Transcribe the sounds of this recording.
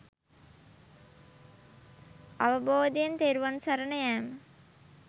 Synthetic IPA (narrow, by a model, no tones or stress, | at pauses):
ɐʋəboːd̪ijent̪eːɾuʋansɐɾənəjæːmə